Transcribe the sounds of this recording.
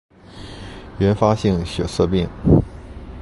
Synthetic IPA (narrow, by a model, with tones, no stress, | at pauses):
ɥɛ˧˥nfa˥ɕi˥˩ŋɕɥɛ̰˨˩sɤ˥˧pi˥˩ŋ